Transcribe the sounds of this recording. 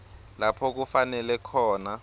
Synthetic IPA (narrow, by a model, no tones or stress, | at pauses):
lapʰɔk̬ufanɛlɛkʰɔːna